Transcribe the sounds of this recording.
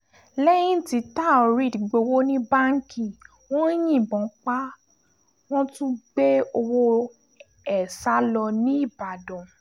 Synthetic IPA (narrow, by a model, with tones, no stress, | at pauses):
lɛ˦jĩ˦ti˧˦ta˦˨o˨ɾi˦˨di˨ɡ͡bo˧wo˦nĩ˦ba˦ŋ̩˦ki˨ | wɔ̃˦jĩ˦˨bɔ̃˨˦k͡pa˦ | w̃ɔ̃˦tũ˦ɡ͡be˦o˧wo˦ | ɛ˨sa˨˦lɔ˧nĩ˦i˦˨ba˨dɔ̃˨